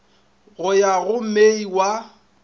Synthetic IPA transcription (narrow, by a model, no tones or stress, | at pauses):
ɣʊjaɣʊm̩meiwa